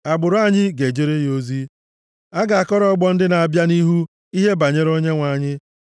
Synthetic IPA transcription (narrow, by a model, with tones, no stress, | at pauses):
a˨ɡ͡bʊ˨ɾʊ˨˦a˦ɲɪ˦ɡe˨d͡ʒe˦ɾe˦jo˦zi˦ | a˦ɡa˨a˨kɔ˦ɾɔ˨˦ɔ˦ɡ͡bɔ˦n̩˦dɪ˦na˨a˨bja˦ni˦ɦu˦ | i˦ɦe˦ba˨ɲe˦ɾo˦ɲe˦ŋʷa˨˦˨ɲɪ˦